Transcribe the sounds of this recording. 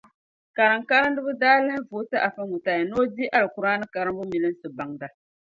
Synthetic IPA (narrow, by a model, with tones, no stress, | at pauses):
ka˨ɾɨ˨ŋ˨ka˦ɾɨ˦n˦dɨ˦bɨ˦daː˦lɨ˦n˦vo˨˦tɨ˦ʔa˨fa˦mu˨ta˨ja˨noː˦di˦ʔa˦lɨ˨ku˨ɾaː˦nɨ˦ka˨ɾɨ˦mbʊ˦mi˨lɨ˦n˦sɨ˨ba˨ŋda˨